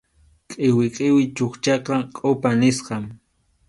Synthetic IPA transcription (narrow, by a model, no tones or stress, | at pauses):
kʼɪwɪqʼɪwɪt͡ʃoχt͡ʃɑqɑkʼopanɪsqɑm